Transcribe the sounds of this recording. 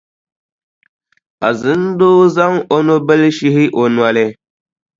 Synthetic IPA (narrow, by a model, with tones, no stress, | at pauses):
a̰˨zɨ˨˦n˦doː˦za˦ŋʔo˦no˦bɛ˦lʃi˦hɪ˦ʔo˨nwa˨lɪ˦